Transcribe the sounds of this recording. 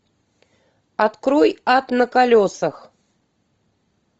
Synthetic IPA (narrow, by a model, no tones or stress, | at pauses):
at̪kɾojat̪nəkalʲosəx